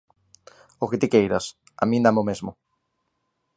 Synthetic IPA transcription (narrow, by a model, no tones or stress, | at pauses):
oket̪ikejɾɐs | a̰mĩnd̪amomezmʊ